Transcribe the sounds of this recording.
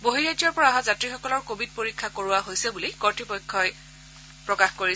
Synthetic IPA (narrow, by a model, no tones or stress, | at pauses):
boɦiɹad͡ʒɔɹpɔɹaaɦazatɹixɔkɔlɔɹkobʱid̚poɹikʰːakoɹʊwaɦojsɛbulijkɔɹtɹipɔjkʰːɔj | pɹɔkaxkoɹi